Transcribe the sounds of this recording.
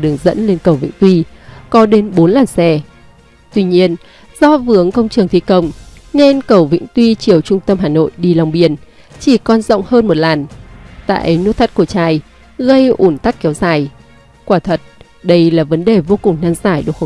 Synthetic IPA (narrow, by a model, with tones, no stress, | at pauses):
ɗɨ˨˩əŋzə̰˧˥nle˧nkə˨˩wvḭ˧˥ŋ̟t̪wi˧kɔ˨˦ɗe˨˦nɓo˨˦nlaː˨˩nsɛ˧ | t̪wi˧ɲi˧ən | z̥ɔ˧vɨ˨˦əŋkə˧wŋ͡mt͡ɕɨ˨˩əŋt̪ʰi˧˩kə˧˩wŋ͡mne˧nkə˧˩wvḭ˧˥ŋ̟t̪wi˧t͡ɕi˨˩əwt͡ɕʊ˧ŋ͡mt̪ə˧mɦaː˨˩no̰˧˨jɗi˧˩la˨˩wŋ͡mɓi˨˩ən | t͡ɕi˧˩kɔ˧nzə̰˧˨wŋ͡mhəː˧nmo˨˩t̚laː˨˩nt̪a̰ː˧˨jʔə˨˦jnu˦˥t̪̚ʰa˦˥t̚ku˧˩ət͡ɕaː˨˩j | ɣə˧jʔu˧˩nt̪a˦˥k̚kɛ˨˦wzaː˧˩j | kwaː˧˩t̪ʰə˨˩t̚ | ɗə˧jlaː˨˩və˨˦nɗe˨˩vo˧kʊ˨˩ŋ͡mnaː˧ŋzaː˧˩jɗɨ˨˩ək